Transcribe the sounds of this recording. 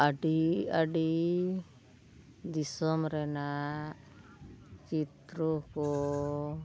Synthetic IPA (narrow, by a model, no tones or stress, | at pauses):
aɖiaɖi | d̪isɔmɾɛna | t͡ʃit̪ɾɔkɔ